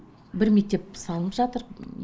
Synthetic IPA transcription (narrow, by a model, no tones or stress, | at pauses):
bɪɾme̞k̚t̪e̞p̚sɑlˠəpʒɑt̪əɾ